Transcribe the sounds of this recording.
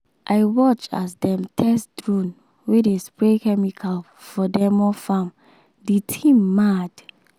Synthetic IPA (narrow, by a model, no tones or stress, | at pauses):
ʔaɪwɔt͡ʃa̰sdɛ̃mtʰɛsdɹũn | wedespɹekɛmikʰal | fɔdɛmɔfãm | detʰĩmːad